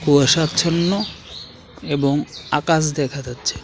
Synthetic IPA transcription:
kuaʃatt͡ɕʰonːo | eboŋa̰kaʃ̬d̪ɛkʰad͡ʑatːɕʰe̥

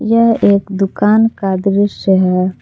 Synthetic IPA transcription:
jɐɦeːkd̪ʊkaːnkad̪ɾɪʃəɦɛ

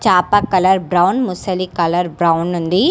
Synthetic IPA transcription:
t͡ʃaːpakɐlɐɾbɾɐwnmusɐlikɐlɐɾbɾawnːund̪i

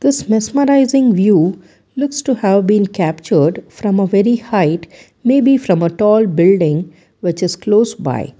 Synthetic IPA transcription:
d̪̥ɪsmɪsməɾaɪzɪ̃ŋʋjuː | lʊksʈuhæʋbĩːnkæp̚t͡ʃəɾɖfɾʌ̃məʋɛɾihaɪʈ | meːbifɾʌ̃məʈɔːlbɪlɖɪ̃ŋ | ʋɪt͡ʃɪz̥kloːsba̰ɪ

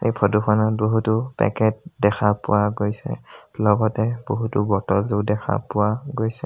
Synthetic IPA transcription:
ejpʰɔdukʰɔnɔt̚boɦutʊpɛ̰kɛt̚dɛkʰapʊ̰waɡojsɛ̰lɔɡɔtɛboɦutʊbɔtɔlzudɛkʰa̰pʊwaɡojsɛ

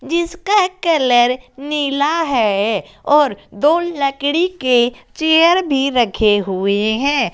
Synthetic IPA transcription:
d͡ʒɪskakɐləɾniːlaɦɛ | ɔːɾd̪oːlləkɽiket͡ʃejəɾbʱiɾɐkʰeɦueɦɛ̃ː

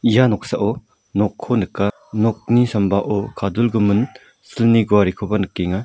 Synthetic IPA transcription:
ijanɔk̚saʔɔ | nɔkʰːɔnɯkːa | nɔk̚nisambaʔɔkʰadulɡɯmɯn | sɯlniɡuaɾikʰobanɯkːeŋa

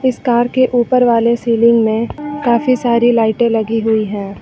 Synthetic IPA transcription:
ɪskaːɾkeʔuːpəɾʋaːlesiːlɪ̃ŋɡmẽkaːfisaːɾilaːɪʈẽlɐɡiɦʊiɦɛ̃ː

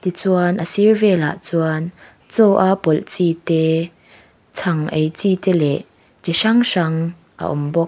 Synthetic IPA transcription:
t̪it͡suɐnʔəsiɹvɛla̰ʔt͡suan | t͡sɔwʔapɔlt͡sit̪ɛ | t͡sʰɐŋʔejt͡sit̪ɛlɛʔ | t͡siʂɐŋʂɐŋ | ʔa̰ʔʊ̰mbɔk̚

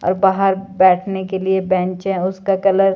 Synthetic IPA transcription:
ɔ̰ːɾbaːɦəɾbɛːʈʰnekeliebɛ̃ːnt͡ʃɦɛ̃ʊskakɐləɾ

